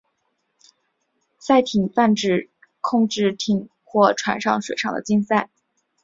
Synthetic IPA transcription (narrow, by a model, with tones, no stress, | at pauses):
sa˥˩ɪt̪ʰi˨˩ŋfa˥˧nʈ͡ʂɻ̩˥˩ | kʰʊ˥˧ŋʈ͡ʂɻ̩˥˩t̪ʰi˨˩˦ŋ | xwɔ˥˩ʈ͡ʂʰwa̰˨˩nʂɑ̰˥˧ŋʂwe˨˩ɪʂɑ˥ŋd̪ə̰˩t͡ɕi˥nsa˥˩ɪ